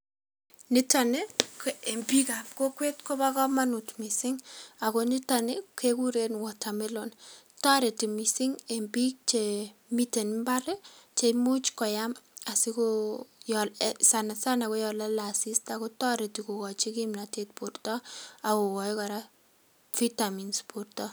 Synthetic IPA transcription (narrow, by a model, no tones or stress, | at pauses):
nɪtanekembikap̚kokwetkobakɔmanutmisɪŋakonɪtanɪkekuɾenwɔtʰamelontaɾetimisɪŋembik̚t͡ʃemitenmbaɾet͡ʃemut͡ʃkɔjamasikojɔlsanasanakojɔlalasistakotaɾetikokɔt͡ʃikimlatet̚purtɔakowɔjkaɾa | fitaminspurtɔ